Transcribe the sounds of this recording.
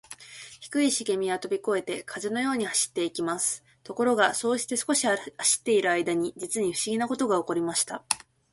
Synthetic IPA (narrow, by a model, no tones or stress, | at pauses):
çi̥kɯ̟iɕiɡe̞mʲiat̪o̞bʲiko̞e̞t̪e̞kʰazeno̞jo̞ːɲ̟ihḁɕi̥t̪ːe̞ikʲimasɨ̥ | t̪o̞ko̞ɾo̞ɡaso̞ːʑi̥t̪e̞sɨ̥ko̞ɕihaɕi̥t̪ːe̞iɾɯ̟aid̪aɲ̟id͡ʑit͡sɨɲ̟iɸɯ̟ɕiɡʲinako̞t̪o̞ɡao̞ko̞ɾʲimaɕi̥t̪a